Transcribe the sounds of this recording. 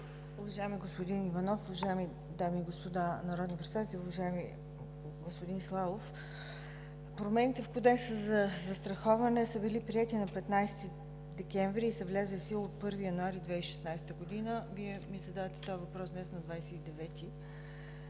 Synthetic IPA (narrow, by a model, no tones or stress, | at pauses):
uvɐʒajɛmiɡospod̪inivɐnɔfuvɐʒajɛmi | d̪amiːɡospod̪anɐɾɔd̪nipɾɛt̪sad̪at̪ɛlɛuvɐʒaɛmi | ɡospod̪inslˠavof | pɾomɛnit̪ɛfkod̪ɛksəzɐzɐst̪ɾɐxɔvɐnɛsəbilipɾiɛt̪inɐpɛt̪najst̪i | d̪ɛkʲɛɱvɾiːsəvlʲɛzəlisilˠot̪̚pɤɾvijɐnuaɾid̪vɛiʃɛ̥snajst̪əɡod̪inəviɛmizɐd̪avət̪ɛ̥t̪ɔɛvɐpɾɔsvmɛst̪nɐd̪vajsɛid̪ɛvɛt̪i